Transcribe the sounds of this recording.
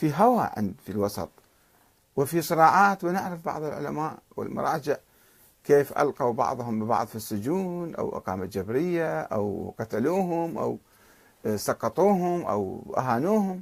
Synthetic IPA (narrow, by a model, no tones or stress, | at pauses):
fiɦawaʕɪ̰nd̪filwɑsˤɑ̰t̪ˤ | wɪfisˤɨɾˤɑːʕɑːt̪wɪnɪʕɾafbɑ̰ʕðˤɨlʕʊ̰lamaːʔwɪ̰lmʊ̰ɾˤɑːd͡ʒɪʕ | keːfʔa̰lqawbɑ̰ʕðˤhʊmbɪbɑ̰ʕðˤfisːʊd͡ʒuːnʔa̰wʔɑ̰qɑ̰ːmad͡ʒabɾɪjːaʔa̰wqat̪aluːɦʊmʔa̰w | sɑqːɑt̪ˤuːɦʊmʔa̰wʔa̰ɦaːnuːhʊm